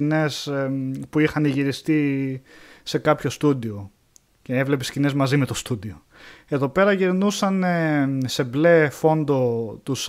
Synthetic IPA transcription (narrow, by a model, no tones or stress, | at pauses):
ne̞spuixɐniʝiɾist̪i | se̞kɐpço̞st̪ud̪io̞ | ce̞e̞vle̞pescine̞zmɐzime̞t̪o̞st̪ud̪io | e̞ðo̞pe̞ɾɐʝiɾnusɐnese̞ble̞fo̞nd̪o̞t̪us